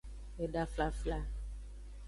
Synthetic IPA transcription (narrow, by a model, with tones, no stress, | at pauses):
e˨ɖa˦fla˦fla˦